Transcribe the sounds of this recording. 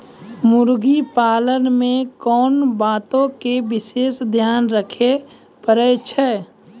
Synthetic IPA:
mʊɾɡipaːlənmẽkɔːnbaːt̪õkebɪseːʃd̪ʱjaːnɾəkʰe | pəɾət͡ʃʰɛ

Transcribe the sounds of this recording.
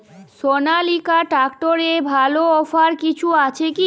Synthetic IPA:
sonalikaʈɾakʈoɾebʱaloɔfaɾkit͡ɕʰuat͡ɕʰeki

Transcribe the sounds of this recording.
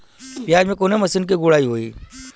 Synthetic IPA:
pjaːd͡ʒmẽkoːnemɐsɪnk̬iɡʊɽaːiɦoːiː

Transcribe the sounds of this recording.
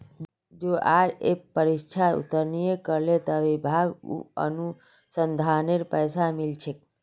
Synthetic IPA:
d͡ʒoʔaɾepəɾist͡ʃʰaṵt̪əɾnijekəɾlet̪əʋibʱaɡṵə̰nu | sənd̪ʱaneɾpəjsamilt͡ʃʰek̚

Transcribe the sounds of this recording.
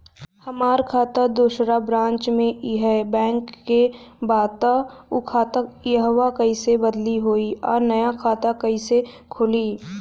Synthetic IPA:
həmaːɾkʰaːt̪ad̪oːʃɾabɾãːnt͡ʃmẽiɦɛbɛ̃ːŋkːebaːt̪aʊkʰaːt̪ajɦwakɐisebəd̪liɦoːiɔːɾnɐjakʰaːt̪akɐise | kʰʊliː

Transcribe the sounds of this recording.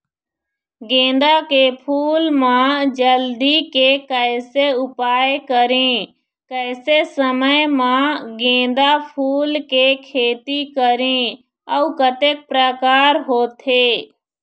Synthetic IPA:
ɡẽːd̪akepʰuːlmãd͡ʒəld̪ikekəɪseʊpaːjkəɾẽ | kəɪsesəməjmãɡẽːd̪apʰuːlkekʰeːt̪ikəɾẽ | əukət̪eːk̚pɾəkaːɾɦoːt̪ʰe

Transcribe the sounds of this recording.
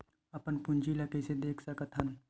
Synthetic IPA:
əpənpʊ̃nd͡ʒiləkesed̪eːkʰsəkət̪ɦən

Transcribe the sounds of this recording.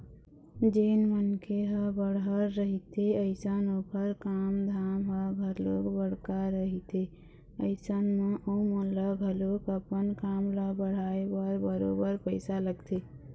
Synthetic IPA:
d͡ʒenmənkeɦəbəɽɦəɾːəɦit̪eəɪsənokəɾkamd̪ʱamɦəɡʱəɾlokbəɽ̤kaɾəɦit̪ʰe | əɪsənmẽʔəmə̃ləɡʱəlokəpənkamləbəɽ̤aebəɾbəɾobəɾpəɪsaləɡt̪ʰe

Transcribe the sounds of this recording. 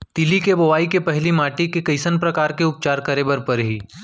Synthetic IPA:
t̪ilikeboʋaːikepɛɦlimaːʈikekɐɪsənpɾɐkaːɾkeʊp̚t͡ʃaːɾkɐɾeːbəɾpɐɾɦiː

